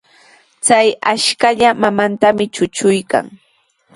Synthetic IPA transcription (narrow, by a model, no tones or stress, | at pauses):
t͡sajaʃkaʎamamant̪amɪt͡ʃʊt͡ʃʊjka̰ŋ